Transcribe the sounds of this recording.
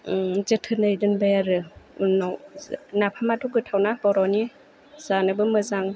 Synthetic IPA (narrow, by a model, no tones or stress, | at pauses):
zɯtʰɯnɯjdɯnbajaɾɯnawnapʰamatuɡɯtʰawnabɔɾɔni | z̥anɯbɯmɯzaŋ